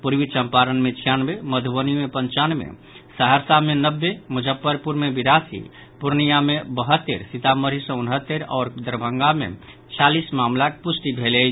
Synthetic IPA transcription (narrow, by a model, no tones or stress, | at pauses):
puɾʋit͡ʃəmpaɾənmet͡ʃʰijanbeməd̪ʱubənimepənt͡ʃanmḛ | səɦəɾsamenəbːemud͡ʒʱəpːəɾpuɾmebiɾasḭ | puɾnijamebəɦət̪ːeɾsit̪aməɾisə̃unɦət̪ːeɾɔ̰ːɾd̪əɾbʱəŋɡamḛ | t͡ʃʰalismamlakpusʈibʱelɛ